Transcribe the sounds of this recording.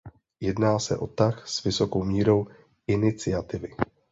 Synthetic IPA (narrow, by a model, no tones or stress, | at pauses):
jɛdnaːsɛ̰ʔo̞t̪axsvɪso̞ko̞wmiːɾo̞w | ɪnɪt͡sɪat̪ɪvɪ